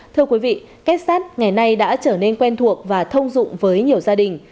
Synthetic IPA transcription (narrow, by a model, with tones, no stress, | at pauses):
t̪ʰɨ˧əkwi˨˦vḭ˧˨ | kɛ˦˥t̚saː˦˥t̚ŋa˨˩jna˧jɗa̰ː˧˥t͡ɕəː˧˩ne˧nkwɛ˧nt̪ʰu˨˩ək̚vaː˨˩t̪ʰə˧wŋ͡mzʊ̰˧˨ŋ͡mvəː˨˦jɲi˨˩əwzaː˧ɗï˨˩ŋ̟